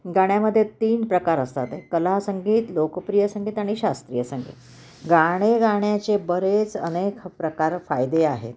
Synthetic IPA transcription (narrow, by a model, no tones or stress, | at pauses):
ɡaɳjaməd̪ʱːjet̪iːnpɾəkaɾəst̪at̪ekəlasəŋɡiːt̪lokpɾijəsəŋɡiːt̪aɽ̃iɕast̪ɾijəsəŋɡḭːt̪ | ɡaɽ̃eɡaɳjat͡ɕebəɾet͡sənekpɾəkaɾfajd̪eaɦḛt̪